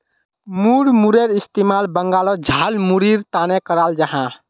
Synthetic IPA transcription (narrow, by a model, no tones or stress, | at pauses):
muɽmuɾeɾist̪emalbəŋɡalɔd͡ʒʱalmuɾiɾt̪anekəɾald͡ʒəɦã